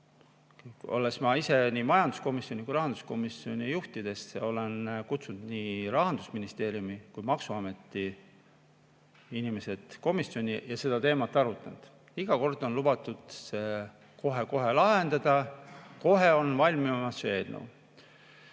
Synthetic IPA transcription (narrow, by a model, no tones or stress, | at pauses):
o̞̰lesmɑise̞nimɑjɑnd̪̥u̥sko̞misjo̞nʲikujɾɑɦɑnd̪u̥sko̞misːio̞nʲijuht̪id̪̥e̞sɑ̰o̞lenkut̪sund̪̥niɾɑɦɑnd̪̥usminist̪e̞ːɾjumikujmɑksuɑme̞t̪ːˑi | inime̞se̞d̪̥ko̞miso̞nʲijɑse̞d̪ɑt̪e̞ːmɑt̪ˑːɑɾut̪ːˑɑnd̪̥ | iɡ̥ɑko̞rd̪̥o̞nlub̥ɑt̪ːˑud̪̥se̞ | ko̞ɦe̞ko̞ɦe̞lɑɦe̞nd̪̥ɑd̪̥ɑko̞ɦe̞o̞nvɑlʲmimɑsːe̞ːd̪nṵ